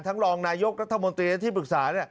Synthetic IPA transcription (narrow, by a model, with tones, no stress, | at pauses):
nt̪ʰa˦˥ŋɾɔː˧ŋnaː˧jo˦˥k̚ɾa˦˥t̪ʰːa˧mo˧nt̪ɾiː˧lt̪ʰiː˥˩pɯ˨˩k̚saː˩˦ni˥˩ɐ